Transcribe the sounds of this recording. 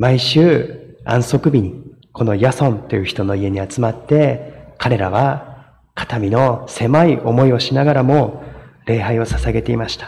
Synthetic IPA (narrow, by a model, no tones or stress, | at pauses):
maiɕɨːã̰ɰ̃so̞kɯ̟bʲiɲ̟i | kʰo̞no̞jasõ̞nt̪o̞jɯ̟çi̥t̪o̞no̞ie̞ɲ̟iat͡sɨmat̪ːe̞kaɾe̞ɾaβ̞a | kḁt̪amʲino̞se̞maiʔo̞mo̞io̞ɕinaɡaɾamo̞ɾe̞ːɦaio̞sasaɡe̞t̪e̞imaɕi̥t̪ḁ